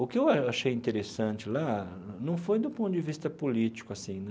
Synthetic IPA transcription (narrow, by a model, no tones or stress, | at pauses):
ʊkɪewaaʃejĩnt̪eɾesɐ̃t͡ʃɪla | nɐ̃w̃fojd̪ʊpõnt̪ʊd͡ʒɪvist̪ɐpolit͡ʃi̥kʊasĩ